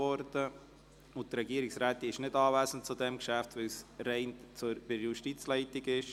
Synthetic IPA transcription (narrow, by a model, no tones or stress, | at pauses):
ɔɾd̥ə | ʊtɾɛɡiəɾiksɾɛːt̪ɪʃnɪdɑːvæːsənt̚t͡sudɛmkʃæftvɪlsrɛɪnt͡sub̥ɪɾjuʃtit͡slɛɪtɪɡɪʃ